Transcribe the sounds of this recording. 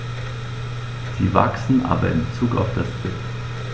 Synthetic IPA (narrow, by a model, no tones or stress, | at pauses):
z̥iːva̰ksn̩ʔa̰ːbɐɪ̰mbət͡suːka̰ʊfd̥ast͡sɪp